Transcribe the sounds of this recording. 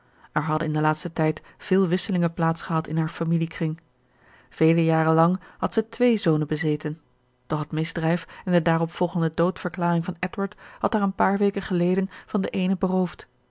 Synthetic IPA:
ʔɛɹɦɑdə̰nɪndəlaːtstətɛjt | v̥ɪːlˠʋɪsəlɪŋəplaːtsχəɦɑtɪnɦaːɹfamilikrɪŋ | v̥ejləjaːɾəlɑŋɦɑtsətʋejzownəbəzejtən | d̥ɔχɦətmɪzdrɛjfɛndədaːrɔpfɔlˠχəndədowtfəɹklaːrɪŋvɑnɛtwaɹthɑtaːɹənpaːɹʋejkəχəlejdənv̥ɑndəʔejnəbərowft

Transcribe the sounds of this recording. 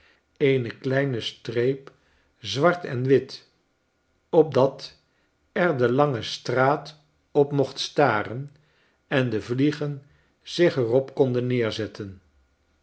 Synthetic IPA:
ejnəklɛjnəstrejp | zʋɑɹtɛ̰nʋɪt | ɔb̚dɑt | ɛɹdəlɑŋəstraːt | ɔpmɔχtstaːrən | ɛndəvliχən | z̥ɪχɛrɔpkɔndənːɪːɹzɛtʰən

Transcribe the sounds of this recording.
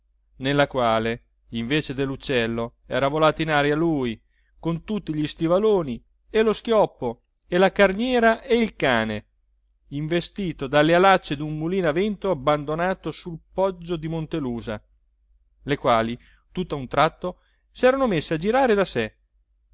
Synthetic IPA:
nelːakwaːle | iɱveːt͡ʃed̪elːut͡ʃːɛlːoɛ̰ːɾavolaːt̪inaːɾjaluːi | kont̪ut̪ːiʎist̪ivaloːni | elosk̟jɔpːo | elakarnjɛːɾaʔeilkaːne | iɱvest̪iːt̪od̪alːealat͡ʃːed̪umːuliːnavɛnt̪oabːand̪onaːt̪osulpɔd͡ʒːod̪imont̪eluːza̰ | lekwaːli | t̪ut̪ːaunt̪ɾat̪ːo | sɛːɾanomesːead͡ʒiɾaːɾed̪ase

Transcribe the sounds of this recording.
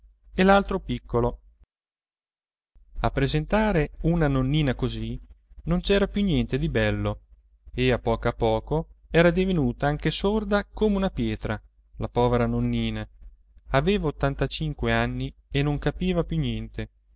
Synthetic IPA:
elalt̪ɾopikʰːolo | apːɾezent̪aːɾeunanonːiːnakozinont͡ʃɛːɾapjunjɛnt̪ed̪ibɛlːo | eapːɔːkoapːɔːkoɛːɾad̪ivenuːt̪aaŋk̟esord̪akomeunapjɛːt̪ɾa | lapɔːveɾanonːiːna | aveːvaot̪ːant̪at͡ʃiŋkweanːienoŋkapiːvapjunjɛnt̪e

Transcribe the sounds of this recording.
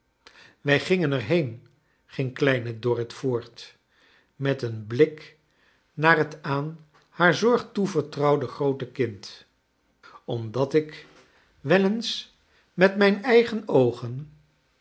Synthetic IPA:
ʋɛjχɪŋənɛɹɦejn | χɪŋklɛjnədɔrətfʊːɹt | mɛtənblɪk | naːrətaːn | haːɹzɔɹχtuvəɹtrɑwdəχrowtəkɪnt | ɔmdɑtɪk | ʋɛləns | mɛtmɛjnɛjχənowχən

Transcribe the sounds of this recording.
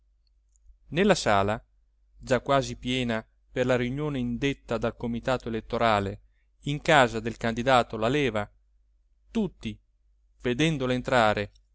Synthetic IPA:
nelːasaːla | d͡ʒakːwaːzipjɛːna | perlaɾiunjoːneind̪et̪ːad̪alkomit̪aːt̪oelet̪ːoɾaːle | iŋkaːzad̪elkand̪id̪aːt̪olalɛːva | t̪ut̪ːi | ved̪ɛnd̪oleːnt̪ɾaːɾe

